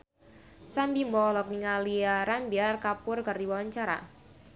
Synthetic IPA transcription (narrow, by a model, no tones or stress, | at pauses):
sambimbɔlɔk̚niŋaliaɾambiarkapʊrkərdiwawaɲt͡ʃaɾa̰